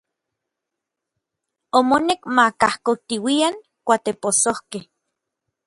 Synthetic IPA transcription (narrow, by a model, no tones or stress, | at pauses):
omonekmakahkot̪iwiaŋ | kʷat̪eposohkeh